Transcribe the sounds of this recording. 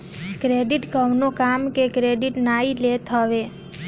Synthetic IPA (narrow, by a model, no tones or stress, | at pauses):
kɾeɖiʈkəʋnokamkekɾeɖiʈnailet̪ɦəʋe